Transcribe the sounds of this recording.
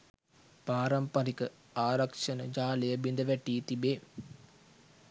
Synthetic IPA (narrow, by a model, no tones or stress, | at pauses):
paːɾɐmpɐɾikə | aːɾɐkʂɐnəd͡ʒaːlejəbind̪əʋæʈiːt̪ibeː